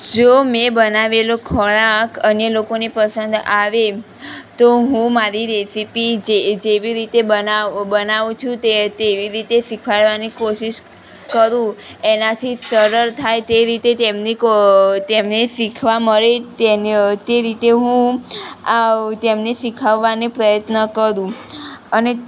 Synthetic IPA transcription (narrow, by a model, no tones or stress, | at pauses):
d͡ʒomẽbənaʋelokʰəɭakʰənjəlokonepəsənd̪aʋe | t̪oɦũmaɾiɾɛsipid͡ʒed͡ʒeʋiɾit̪eənabənaʋũt͡ʃʰũt̪et̪eʋiɾit̪eʃikʰaɭʋanikoʃiʃ | kəɾũenat̪ʰisəɾəɾt̪ʰajt̪eɾit̪et̪emnikt̪emnesikʰʋaməɾet̪ent̪eɾit̪eɦũ | at̪emneʃikʰaʋːanepɾəjət̪nəkəɾũəne